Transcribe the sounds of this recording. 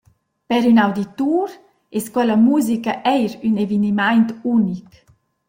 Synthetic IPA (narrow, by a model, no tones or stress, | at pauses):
pɛɾynawd̪it̪uɾ | ɛskɔlamuːzikaʔɛjɾynevinimajnt̪unik